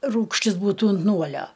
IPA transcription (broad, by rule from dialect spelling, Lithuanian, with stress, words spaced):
ˈruːkʃʲtʲɪs ˈbuːtuː ʊnt ˈnuɔlʲoː